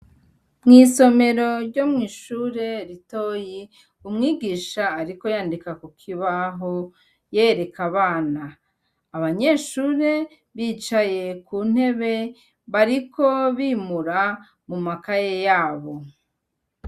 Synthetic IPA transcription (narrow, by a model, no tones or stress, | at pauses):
mŋiːso̞me̞ɾo̞ɾɟo̞mŋiːʃuːɾe̞ɾito̞ji | umŋiːɡiːʃaːɾiko̞jaːndikakukʰiβaɦo | jeɾe̞kʰaβaːnaː | βaɲe̞ːʃuːɾe̞ | βiːt͡ʃaje̞kuːn̥he̞βe̞ | βaɾikʰo̞βimuɾa | mumakajejaːβo̞